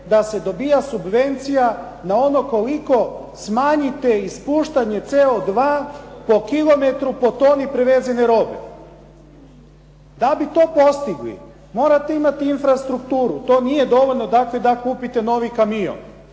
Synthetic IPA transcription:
d̪ase̞d̪o̞biːjasubʋe̞nt̪sija | nao̞noko̞liko̞ | smaːɲit̪eispuːʃt̪aɲe̞t̪seod̪ʋaːpo̞kilˠo̞me̞t̪ɾupo̞t̪o̞ːnipɾeʋe̞ːze̞neɾo̞ːbḛ | d̪abit̪o̞ːpo̞st̪iɡlḭ | mo̞ːɾat̪e̞imat̪iinfɾast̪ɾukt̪uːɾut̪o̞ːnije̞d̪o̞ʋo̞ʎnod̪akle̞d̪akuːpit̪e̞no̞ʋikamijo̰n

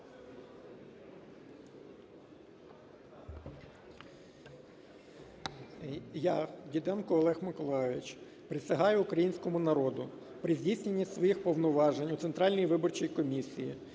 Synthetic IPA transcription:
jadʲid̪ɛnkʊɔlˠɛxmɪkɔlˠɑjʋʲɪt͡ʃ | pɾɪsʲɐɦɑjʊːkɾɐjinʲsʲkɔmʊnɐɾɔd̪ʊ | pɾɪzʲdʲisʲnʲenʲːisʋɔjixpɔʋnɔʋɑʒenʲʊt̪ent̪ɾɑlʲnɔjiʋɪbɔrt͡ʃijkɔmʲisʲiji

